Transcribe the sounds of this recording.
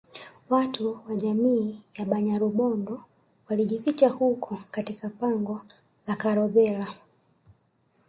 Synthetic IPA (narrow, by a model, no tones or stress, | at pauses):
watuwaʄamiːjaɓaɲaɾuɓɔndɔ | waliʄifit͡ʃahukʰɔkatikapaŋɡɔ | lakaɾɔɓɛla